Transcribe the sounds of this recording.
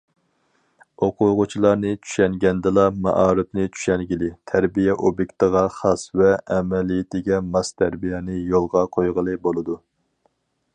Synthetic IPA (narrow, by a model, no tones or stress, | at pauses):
oqʊʁʊt͡ʃʰilˠɑɾnɨt͡ʃʰy̥ʃɛŋɡʲɛnd̪ɨlˠɑmɑ̰ʔɑːɾɨpnɨt͡ʃʰy̥ʃɛŋɡʲilɪt̪ʰæɾbijɛʔobjekʲt̪əʁɑχɑsvɛːmɛlijɪt̪ʰɪɡʲɛmɑst̪ʰæɾbijɛnɨjolˠʁɑqʰojʁəlˠɨbolˠɨd̪u